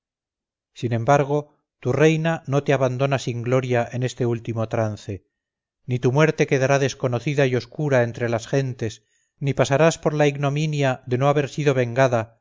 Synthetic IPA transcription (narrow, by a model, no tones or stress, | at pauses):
sinẽ̞mbaɾɣ̞o̞ | t̪ure̞jnano̞t̪eaβand̪o̞nasiŋɡlo̞ɾjaʔe̞ne̞st̪e̞ult̪imo̞t̪ɾanθe̞ | nit̪umwe̞ɾt̪e̞ke̞ðaɾaðe̞sko̞no̞θiðaio̞skuɾae̞nt̪ɾe̞lasxe̞nt̪e̞s | nipasaɾaspo̞ɾlaiɣno̞minjaðe̞noaβe̞ɾsiðo̞β̞e̞ŋɡaða